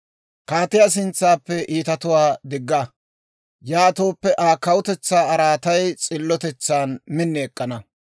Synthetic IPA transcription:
kaːt̪ɪjas̬ɪnt͡sːaːpːɛʔiːt̪ɐt̪ʊwaːd̪ɪɡːɐ | jaːt̪o̞ːpːɛʔaːkːɐwʊt̪ɛt͡sːaːɐɾaːt̪ɐjt͡sʼɪlːɔt̪ɛt͡sːaːnmɪnːɛːkʼːɐnɐ

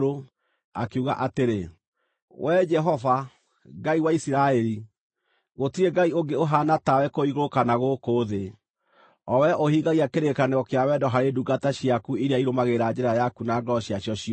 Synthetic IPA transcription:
ɾo | akeuɣa̰ʔateɾe | wʔɛd͡ʒɛɦɔva | ɡaiwaisiɾaɛɾi | ɣotiɾeɡaioŋɡeoɦanatawɛkoiɣoɾokanaɣokoːðe | ɔwɛʔohiɣɡaɣiakeɾekaneɣɔkeawɛdɔɦaɾeduɡataɕjakuiɾeaiɾomaɣeɾad͡ʒɛɾajakunaɡɔɕiaɕjɔɕi

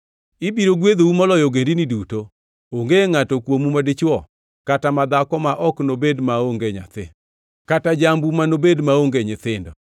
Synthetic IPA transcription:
ibiɾoɡwed̪oumɔlɔjɔɡendiniduto | oŋɡeŋatɔkwomumadɪt͡ʃwɔ | katamad̪akɔmaʔɔknobedmaoŋɡeɲa̰t̪ɪ | katad͡ʒambumanobedmaoŋɡeɲɪt̪ɪndɔ̰

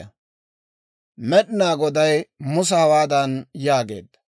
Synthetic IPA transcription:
ɐ | mɛɗɪnaːɡɔd̪ɐjmʊs̬ɐhɐwaːd̪ɐnjaːɡe̞̰ːd̪ːɐ̥

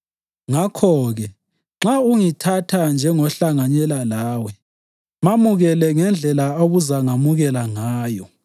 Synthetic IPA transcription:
ŋakʰɔɣɛ | ŋ͡ǁauŋitʰatʰand͡ʒʱɛŋɔɬaŋaɲɛlalaːwɛ | mamuɣɛlɛŋɛnd͡ɮʱɛlaoɣuzaŋamuɣɛlaŋaːjɔ

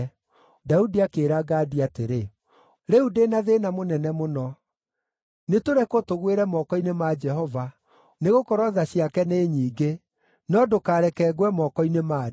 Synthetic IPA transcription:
daudiakeːɾaɡaːdiateɾe | ɾɛudenaðenamonɛnɛmonɔ | netoɾɛkotoɣweɾɛmɔkɔinemad͡ʒɛɦɔva | neɣokɔɾɔðaɕiakɛneːɲiːɡe | nɔdokaːɾɛkɛːɣwɛmɔkɔinema

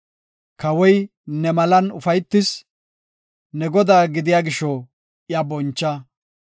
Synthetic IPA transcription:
kɐwɔj | nɛmɐlɐnʊfɐjt̪ːɪs | nɛɡɔd̪aːɡɪd̪ɪjaːɡɪʃɔ | jabɔnt͡ʃːɐ

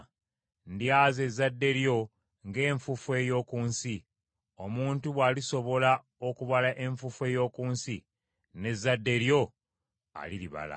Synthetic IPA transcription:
ndjaːze̞zːadːe̞ɾjo̞ | ŋɡe̞ːɱfufwe̞jo̞ːkuːnsi | o̞muːntuβwaːliso̞βo̞la | okuβalaʔe̞ɱfufue̞ːjo̞ːkuːnsi | ne̞zːadːe̞ɾjo̞ | a̰liliβa̰la̰

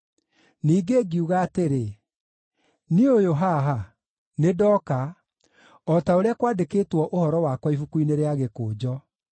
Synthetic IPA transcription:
niːɡeːɡiuɣaːteɾe | niojoɦaɦa | nedɔka | ɔtaoɾeakwaːdekeːtwɔʔohɔɾɔwakwaifukuineɾeaɣekoːd͡ʑɔ

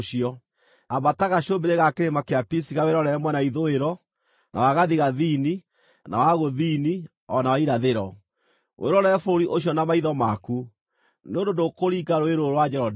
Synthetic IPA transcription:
ʃiɔ | abataɣaɕombeɾeɣakeɾemakeapisiɣaweɾɔɾɛɛmwɛnaiðoeɾɔ | nʔa̰waɣaðiɣaðini | na̰waɣoðini | ɔnawaiɾaðeɾɔ | wʔeɾɔɾɛfoɾiʔoɕjɔnamaiðɔmaku | neondondokoɾiɡaɾoeɾoɾwad͡ʒɛɾɔd

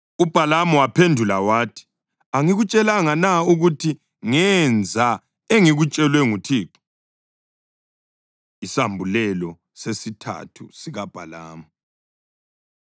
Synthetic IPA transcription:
ub̥ʱalamɔwapʰendʱulawaːtʰi̥ | aŋiɣut͡ʃʼɛlaŋanauɣutʰi | ŋɛnd͡zʱa | eŋiɣut͡ʃʼɛlwɛŋutʰiːǁɔ̥ | isambʱulɛlɔ | sesitʰa̰tʰṵsiɣab̥ʱala̰ːmu

